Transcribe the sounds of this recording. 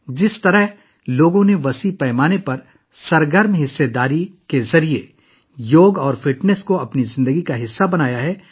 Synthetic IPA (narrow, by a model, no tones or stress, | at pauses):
d͡ʒɪst̪ɐɾəɦ | loːɡõneʋɐsipɛːmaːnepɐɾ | sɐɾɡəɾmɦɪsːed̪aːɾikezɐɾie | joːɡɔːɾfɪʈnəskoɐpnizɪ̃nd̪əɡikaɦɪsːabɐnaːjaɦɛː